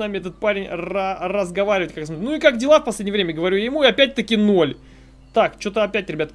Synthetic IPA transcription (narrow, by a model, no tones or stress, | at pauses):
namʲɪɛt̪ət̪̚paɾʲɪnʲrarəzɡɐvaɾʲɪvətʲkakjsmot̪ɾʲnuikakdʲɪlˠafpɐsʲlʲedʲnʲɪjəvɾʲemʲɪəɡəvɐɾʲujajɪmuɪɐpʲæt̚ʲt̪əkʲɪnolʲ | t̪akt͡ɕo̞t̪əɐpʲætʲɾʲɪbʲat̪